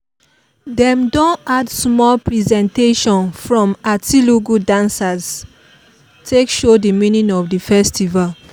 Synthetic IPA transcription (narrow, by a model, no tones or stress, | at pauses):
dɛ̃mdõnadsmɔlpɹizɛ̃nteʃɔ̃nfɹɔ̃matiluɡudãnsaz | tʰekʃodəminĩŋɔvdəfɛstival